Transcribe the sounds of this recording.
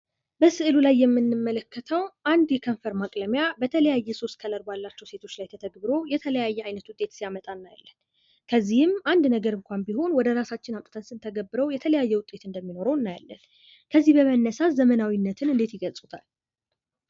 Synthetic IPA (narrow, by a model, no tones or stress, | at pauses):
bəsɨʔɨlulajːɛmːɨnːɨmːələkːət̪ʰəwʔand̪jɛkʰəɱfəɾmakʼləmjabət̪ʰələjajːɛso̞st̪̚kʰələɾbalːat͡ʃːɛwse̞t̪ʰo̞t͡ʃːlajt̪ʰət̪ʰəɡbɨɾo̞jɛt̪ʰələjajːɛajnət̪wʊt̪ʼːet̪sijamət̪ʼanːaja̰lːən | kʰəzːihɨmand̪nəɡəɾɨŋkʷanbiho̞nwɔd̪əɾasat͡ʃːɪnamt̪ʼɨ̥t̪ʰənsɨnt̪ʰəɡəbːɨɾəwjɛt̪ʰələjajːɛwʊt̪ʼe̞t̪ɨnd̪əmːino̞ɾəwnːaja̰lːə̰n | kʰəzːihbəmənːəsaszəmənawinːət̪ʰɨnɨnd̪e̞t̪jɪɡəlsʼut̪ʰal